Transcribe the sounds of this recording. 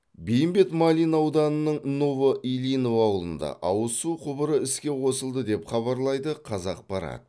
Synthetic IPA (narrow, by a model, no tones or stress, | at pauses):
bejɪmbe̞t̪mɑlʲijnɑwd̪ɑnənəɴnovəʔilino̞vɑwəlˠənd̪ɑ̰ʔɑwəsuqʰʊbəɾəɪskʲe̞qʰo̞səlˠd̪əd̪e̞pχɑβɑɾlˠɑjd̪əqʰɑzɑq̚bɑɾɑ̰t̪